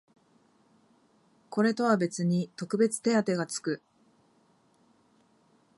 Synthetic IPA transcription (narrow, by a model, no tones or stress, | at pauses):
ko̞ɾe̞t̪o̞βabe̞t͡sɨɲ̟it̪o̞kɯ̟be̞t͡sɨ̥t̪e̞at̪e̞ɡat͡sɨ̥kɯ̟